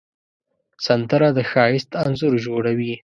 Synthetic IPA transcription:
sand̪əɾad̪əxɑjɪst̪anzʊɾʒoɽawi

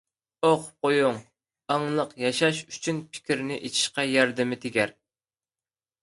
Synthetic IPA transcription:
oqqojuŋ | ɑŋlˠəqjɑʃɑʃy̥t͡ʃʰynpʰɪ̥kʲiɾnɪʔet͡ʃʰi̥ʃqɑjɑɾd̪ɪmɪt̪ʰeɡʲɛɾ

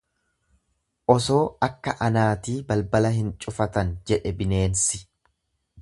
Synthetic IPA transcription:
ʔɔso̞ːɐkːɐʔɐnaːt̪iːbɐlbɐlɐɦɪnt͡ʃʼʊfɐt̪ɐnd͡ʒɛᶑɛbɪne̞ːnsɪ

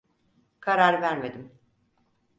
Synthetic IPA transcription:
kʰaɾaɾvæɾme̞d̪im

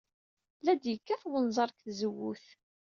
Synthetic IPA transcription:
læd̪jəkːæθwənzˤɑɾˤkθzəwːuθ

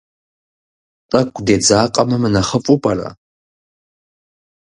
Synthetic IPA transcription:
tʼɐkʷʰʼdeːd͡zaːqʼɐmɨmɨnɐχəfʼupʼɐra̰

